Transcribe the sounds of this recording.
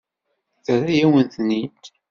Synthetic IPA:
θɾajæwənθnid̪

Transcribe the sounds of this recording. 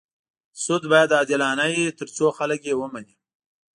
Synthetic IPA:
sʊd̪bɑjad̪ɑːd̪ɪlɑːnajet̪əɾt͡soxaləkjewəmani

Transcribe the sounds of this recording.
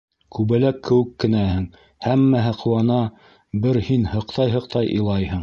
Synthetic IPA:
kʉβɘ̆lækːɘ̆wɘ̆kːɘ̆næhɘŋ | hæmːæɦæqʰŭwɑnɑ | bɘɾhinhɤ̆qt̪ɑjɦɤ̆q̚t̪ɑjʔɤ̰̆lˠɑjhɤɴ

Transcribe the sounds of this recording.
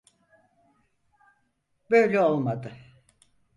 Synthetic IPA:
bøjlʲɛo̞lˠmad̪ɯ

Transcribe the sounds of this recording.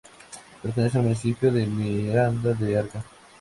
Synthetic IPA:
peɾt̪enes̬ealmunisipjoðemiɾand̪ad̪eaɾka

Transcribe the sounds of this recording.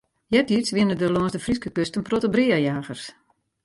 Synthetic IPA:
jɛtitsʋɪənədəlɔnsdəfriskəkøstənprotəbriəjaːɣərs

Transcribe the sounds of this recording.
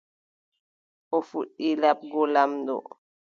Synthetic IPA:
ʔɔfuɗːilap̚ɡɔlamdɔ̰

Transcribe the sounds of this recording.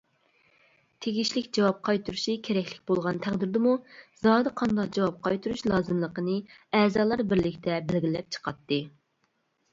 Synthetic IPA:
t̪ʰeɡʲiʃlɪkʲd͡ʒɑwɑp̚qʰɑjt̪ʰuɾuʃikʲʰeɾɛkʲlɪkʲbolˠʁɑnt̪ʰæʁd̪ɪɾd̪ɨmuzɑːd̪ɨqʰɑnd̪ɑq̚d͡ʒɑwɑp̚qʰɑjt̪ʰuɾuʃlˠɑːzɨmlˠəqənɨɛːzɑːlˠɑɾbɪɾlɪkʲt̪ʰɛbɪlɡʲilɛp̚t͡ʃʰə̥qʰɑt̪ːɨ

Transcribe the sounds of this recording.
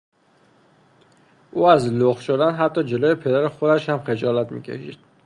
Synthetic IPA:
ʔuːæzloxʃod̪ænɦæt̪ʰːɒːd͡ʒe̞loːjepʰe̞d̪æɾexo̞d̪æʃhæmxe̞d͡ʒɒːlæt̪mḭːcʰe̞̰ʃḭd̪̥̚

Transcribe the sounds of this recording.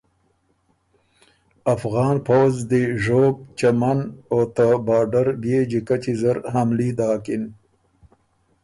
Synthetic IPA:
afɣɑːnpowzd̪eʒoːɡ̚t͡ʃamanot̪abɑːɖaɾbjeːd͡ʒikat͡ʃizaɾɦamlid̪ɑːkin

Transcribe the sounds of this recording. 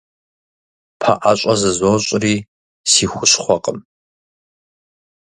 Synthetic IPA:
pʰa̰ʔaɕʷʼɐzɨzoɕʼriː | siːxʷʊɕχʷɔqʼəm

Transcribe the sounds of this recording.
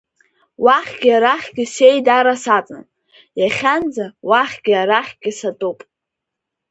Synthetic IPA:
waχʲɡʲaɾaχʲɡʲɪsejdaɾasat͡sʼn | jaχʲand͡zawaχʲɡʲaɾaχʲɡʲɪsatʼopʼ

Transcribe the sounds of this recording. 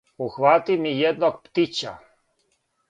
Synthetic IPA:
uxʋat̪imijɛd̪̚nok̚pt̪it͡ɕa̰

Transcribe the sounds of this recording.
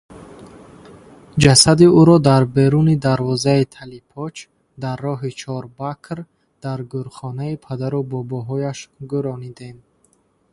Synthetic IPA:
d͡ʒasad̪iuɾɔd̪aɾbe̞ɾunid̪aɾvɔzait̪ʰalipʰɔt͡ʃ | d̪arːɔɦit͡ʃʰɔɾbakʰɾ | d̪̥aɾɡuɾχɔnaipʰad̪aɾubɔbɔɦɔjaʃɡuɾɔnid̪e̞m

